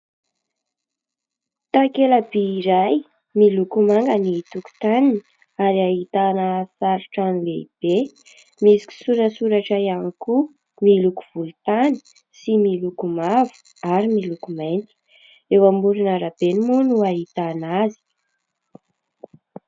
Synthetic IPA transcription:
t̪akelabiːɾaj | milukumaŋɡənit̪uku̥t̪anini | aɾiaɦit̪anasaɾuʈ͡ʂanileib̥e | misi̥ki̥suɾəsuɾaʈ͡ʂajaniku | milukuv̥ulut̪ani̥ | similukumavu̥ | aɾimilukumajnt̪i̥ | ewamuɾinaɾab̥enimunuaɦit̪anazi̥

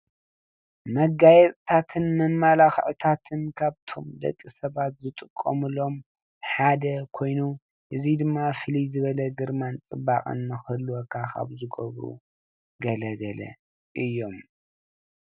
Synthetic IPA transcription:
mɐɡajɛt͡sʼt̪ʰat̪ʰɨnmɐmːalaxʕt̪ʰat̪ʰɨnkʰaβt̪ʰo̞md̪ɐ̰kʼːisɐβat̪zɨt̪ʼɨkʼːo̰mɨlo̞m | ħad̪ɐkʰo̞jnu | ʔɨzid̪ɨmːafɨlizɨβɐlɐɡɨɾmant͡sʼɨbaχʼɨ̰nːɨxɨlːuwokʰakʰa̰βzɨɡɐ̰βɾṵ | ɡɐlɐɡɐlɐ̰ | ʔɨjːo̞m

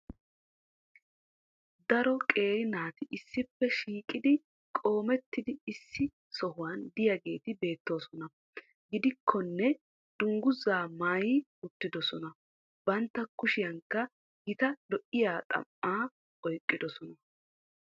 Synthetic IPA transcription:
d̪ɐɾɔkʼe̞ːɾɪnaːt̪ɪʔɪsːɪpːɛʃiːkʼɪd̪ɪ | kʼo̞ːmɛt̪ːɪd̪ɪɪsːɪ | sɔɦʊwɐnd̪ɪjɐɡe̞ːt̪ɪbe̞ːt̪ːo̞ːsɔnɐ | ɡɪd̪ɪkʰːɔnːɛ | d̪ʊŋɡʊzaːmaːjiʊt̪ːɪd̪ɔsɔnɐ | bɐnt̪ːɐkʊʃɪjɐŋkːɐ | ɡɪt̪ɐlɔʔɪjaːt̪ʼɐ̰mːaː | ɔjkʼːɪd̪ɔsɔnɐ

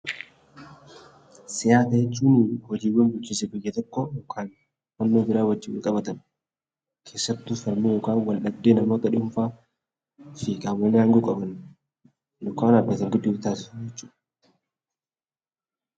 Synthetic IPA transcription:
sɪjaːt̪ɐjɛt͡ʃːuːnɪwɔd͡ʒiːwːɐnbʊlt͡ʃːiːsɪbɪjːɐt̪ɔkːɔɔkʰaːn | fɐnːoːbɪɾaːwɐd͡ʒːiːwɐlkʼɐbɐt̪ɐn | kʰe̞ːsːɐt̪ːʊfɐɾmiːjoːkaːnwɐlʔɐb̚d̪eːnɐmoːt̪ɐɗʊmfaː | fɪkʼaːwːɐnːɪaːŋɡuːkʼɐbɐn | nʊkaːnɐbːɐt̪ɐŋɡɪd̪ːuːt̪aːsɪsʊd͡ʒɛt͡ʃːuːᶑɐ

